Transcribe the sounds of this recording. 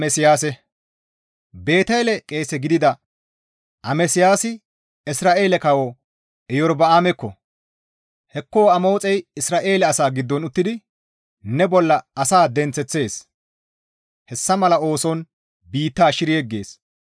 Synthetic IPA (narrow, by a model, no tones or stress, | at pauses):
mɛsɪjaːsɛ | be̞ːt̪ɛlɛkʼe̞ːsɛɡɪd̪ɪd̪ɐ | ʔɐmɛsɪjaːsɪ | ɪsɾaːʔe̞ːlɛkɐwo | ɛjɔɾbɐaːmɛkːɔ | hɛkːo̞ːɐmo̞ːt͡sʼɛjɪsɾaːʔe̞ːlɛɐsaːɡɪd̪ːɔnʊt̪ːɪd̪ɪ | nɛbɔlːɐɐsaːd̪ɛnt͡sːɛt͡sːe̞ːs | hɛsːɐmɐlɐo̞ːsɔn | biːt̪ːaːʃɪɾɪjɛɡːe̞ːs